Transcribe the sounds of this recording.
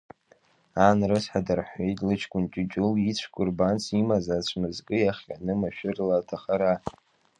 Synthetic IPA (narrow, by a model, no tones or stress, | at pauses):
anrɨsħadarħʷejtʼlɨt͡ʃʰkʷʼʊnt͡ʃʼɪt͡ʃʼʊlit͡ɕʷʰkʷʼʊrbant͡sʰimazat͡ɕʷʰmɨzkʼɨjaχʲa̰nɨmaʃᶣɪrlatʰaχaɾa